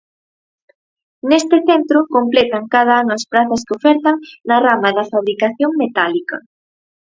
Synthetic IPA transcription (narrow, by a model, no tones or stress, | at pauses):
nest̪ɪθent̪ɾʊkomplet̪ɐŋkað̞ɐanʊɐspɾaθɐskeofɛɾt̪ɐŋnɐramɐðɐfaβɾikaθjoŋmet̪alikɐ̰